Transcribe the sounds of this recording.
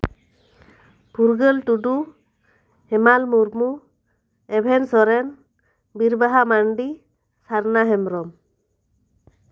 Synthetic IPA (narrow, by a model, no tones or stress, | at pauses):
pʰuɾɡəltudu | hɛmalmuɾmu | ɛbʱɛnsɔɾɛn | biɾbaɦamaɳɖi | saɾnaɦɛmɾɔm